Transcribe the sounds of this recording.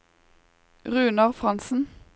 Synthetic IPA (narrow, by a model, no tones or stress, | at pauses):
ʁʉːnɑʁfʁɑnsn̩